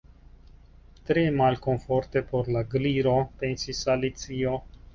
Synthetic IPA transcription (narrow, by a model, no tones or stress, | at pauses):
t̪ɾemalʲkonfort̪epoɾlaɡliɾopensisalit̪t͡sio